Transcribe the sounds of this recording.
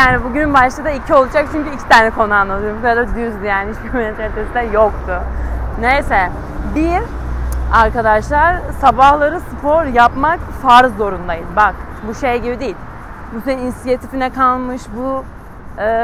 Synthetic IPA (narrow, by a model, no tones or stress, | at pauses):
jaːnibuɟynbaʃt̪ˠad̪aicʰio̞lˠud͡ʒakit͡ʃʰyncyicʰi̥t̪ʰaːnɛkʰo̞nuanlˠad̪ʰɯoɾmbukaad̪ad̪yɾzd̪ijaːniit͡ʃbiminɛt̪ʰt̪ʰesd̪ɛjokt̪ʰʊnejsɛ | biɾ | aɾkad̪aʃlˠaɾ̥sabahlˠaɾɯsɯpʰoɾjapmakfaːɾzːo̞ɾund̪ajɯzbak | buʃejɟibid̪ejilʲ | busɛninisijet̪ʰifinɛkʰalˠmɯʃbu | ɯː